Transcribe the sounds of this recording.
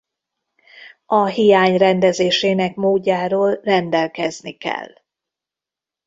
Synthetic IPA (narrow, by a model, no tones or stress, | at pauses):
ɒɦijaːɲrɛnd̪ɛzeːʃeːnɛkmoːɟːaːɾoːlrɛnd̪ɛlkɛznikɛ̰lː